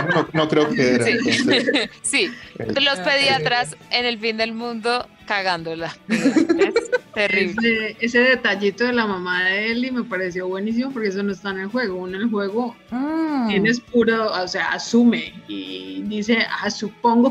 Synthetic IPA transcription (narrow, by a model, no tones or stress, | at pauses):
oonokɾeokeeɾi | silospe̞ðiat̪ɾasene̞lfind̪e̞lmũnd̪o̞ | kaɣand̪ola | eserieβseese̞ðe̞t̪aʝit̪o̞ðe̞lamamaðeelime̞paɾe̞s̬jo̞βwe̞nis̬imop̬oɾkees̬ono̞est̪aenelxwe̞ɣounonelxwe̞ɣo | enespuɾosea̰asume̞ḭðise̞asupo̞ŋɡo